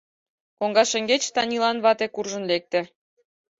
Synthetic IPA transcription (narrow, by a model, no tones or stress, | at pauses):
koŋɡɑʃə̆ŋɡet͡ɕt̪ɑnʲilɑnβɑt̪ekurʒə̆nlek̚t̪ĕ